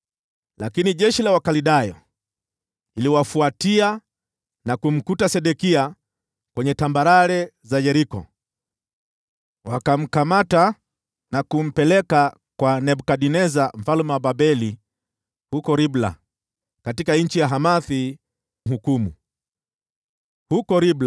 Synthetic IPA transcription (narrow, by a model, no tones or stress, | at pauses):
lakiniʄɛʃilawakaliɗajɔ̰ | iliwafuatia | nakum̩kutasɛɗɛkia | kwɛɲɛtambaɾaɾɛzajɛɾikɔ̰ | wakam̩kamata | nakum̩pɛlɛka | kwanɛbukaɗinɛzam̩falumwababɛli | hukɔɾibla̰ | katikanɲ̩t͡ʃijaɦamaθi | m̩ɦukumṵ | hukɔɾibl